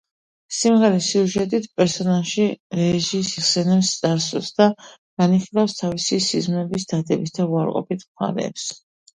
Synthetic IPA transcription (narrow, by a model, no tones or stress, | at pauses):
simʁɛɾɛsiuʒɛt̪ʼit̪ʰpʼɛɾsɔnalʃiɾɛʒisiχsɛnɛpst̪sʼaɾsusd̪̥a | ɡ̥aniχiɾafst̪ʰavisisizmɛbisd̪̥ad̪ɛbisʰt̪ʰauaɾqʼɔ̰pit̪ʰmχa̰ɾɛ̰ːps